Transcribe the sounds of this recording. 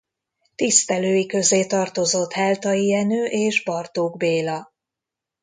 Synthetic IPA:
t̪ist̪ɛløːjikø̞zeːt̪ɒrt̪o̞zo̞t̪hɛlt̪ɒjiɛnøːʔeːʒbɒrt̪oːɡbeːlɒ

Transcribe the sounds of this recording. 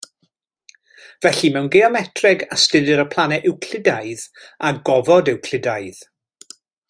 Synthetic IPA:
v̥ɛɬimɛwnɡɛɔmɛtʰrɛɡastɪdɪɾəpʰlˠanɛʔɪwkʰl̥ɪdajðaɡɔvɔdɪwkʰl̥ɪdaɨð

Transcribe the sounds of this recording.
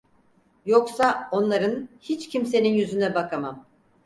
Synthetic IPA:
jo̞ksao̞nlˠaɾɯnhit͡ʃcʰimse̞ninjyzynɛbakʰamam

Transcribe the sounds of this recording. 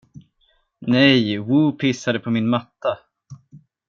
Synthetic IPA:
nɛjwuːpʰɪsːad̪əpʰɔmɪnmat̪ːa

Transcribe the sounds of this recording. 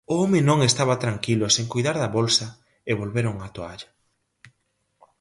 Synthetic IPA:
ʊomenõŋest̪aβɐt̪ɾaŋkilʊseŋkojðaɾðɐβolsɐ | eβolβeɾoŋat̪oaʎa

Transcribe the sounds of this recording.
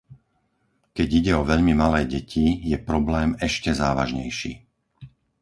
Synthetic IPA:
kɛɟiɟɛɔʋɛʎmimalɛːɟɛcʰijɛpɾɔblɛːmɛʃcɛzaːʋa̰ʒɲɛjʃḭː

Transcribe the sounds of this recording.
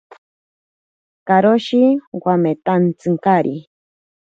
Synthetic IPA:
kaɾoʃiwamet̪ant͡sɨŋkaɾḭ

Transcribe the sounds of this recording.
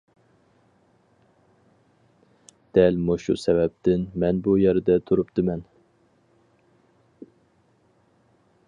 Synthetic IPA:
d̪̥ɛlmoʃṵsɛvɛp̚t̪ɪnmɛnbujɛɾd̪ɛt̪ʰuɾupt̪ʰɨmɛn

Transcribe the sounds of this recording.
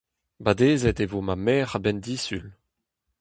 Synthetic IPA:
bad̪eːzɛt̪evomamɛːʁabɛnd̪iːsyl

